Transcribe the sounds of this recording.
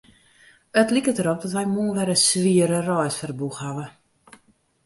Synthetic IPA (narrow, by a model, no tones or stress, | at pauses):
ətlikətəɾop̚dɔtʋɛjmuənʋɛɾəsʋiəɾərɔjtfərbuxhaʋə